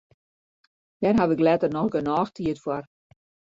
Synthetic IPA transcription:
d̥ɛnɦaʋɪklɛtərnɔxɡənɔːxtʰiətfwɔr

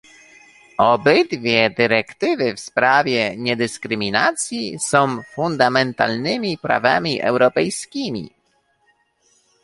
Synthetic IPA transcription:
ɔbɘd̪vʲjɛd̪ɘɾɛkt̪ɘvɘfspɾavʲjɛɲɛd̪ɘskɾɘmʲinat̪sʲjisɔ̃w̃fund̪amɛnt̪a̰lnɘmʲipɾa̰vamʲiʔɛ̰wɾɔpɛjskʲimʲḭ

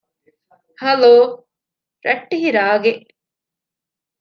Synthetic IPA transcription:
hɐloː | ɾɐʈːiɦiɾaːɡeʔ

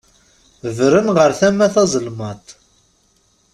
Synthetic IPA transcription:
vɾənʁəɾθæmːæθɑzˤlmɑt̪ˤ

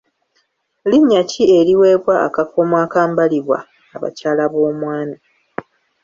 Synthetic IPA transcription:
liɲːacie̞ɾiwe̞ːβwa̰ːkakomwaːkaːmbaliβwa̰ː | βa̰caːlaβo̞ːmwaːna

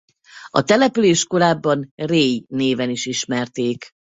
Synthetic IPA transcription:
ɒ̰t̪ɛlɛpyleːʃko̞ɾaːbːɒnreːjneːvɛniʃiʃmɛrt̪eːk

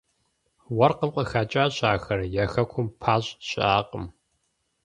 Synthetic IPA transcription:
wɐrqəmqʷʼəxaːt͡ʃʼaːɕʼaːxɐrjɛxɐkʷʰʊmpʰaːɕʼɕʼaːqʼəm

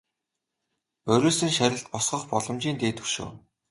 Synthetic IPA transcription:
ɵɾʲoːsɘ̆ŋʃæɾʲɪ̆ɬt̪̚pɔsχɞ̆χpɔɮɞ̆mt͡ɕiːnt̪eːt̪ɵ̥̆ʃo̰ː

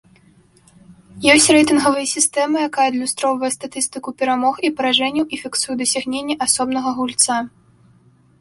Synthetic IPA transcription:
jɔsʲtʲrɛjt̪ɨnɣɐvɐjɐsʲist̪ɛmɨjakajɐd̪lʲust̪ɾɔvɐjɛst̪at̪ɨst̪ɨkupʲɛɾamɔxipɐɾaʐɛnʲiwʔifʲiksujɛd̪ɐsʲaɣnʲenʲːɛʔasɔbnɐɣɐɣulʲt̪sa

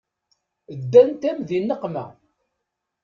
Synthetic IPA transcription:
əd̪ːænt̪æmðinːəqmæ̰

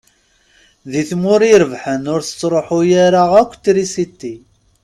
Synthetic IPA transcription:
ðiθmʊɾiɾəvħənʊɾθə̥t͡sːɾˤoħujaɾaʁækʷːt̪ːɾisit̪ːi

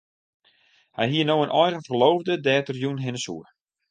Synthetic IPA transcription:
hɛjɦiːənowənʔɔjɣəfərlowvdədɛːtərjunɦɪnəsṵə

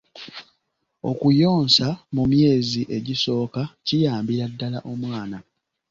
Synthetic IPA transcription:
o̞kujo̞ːnsamumje̞ːziʔe̞ɟiso̞ːkacijaːmbiɾadːala̰ʔo̞mwaːna

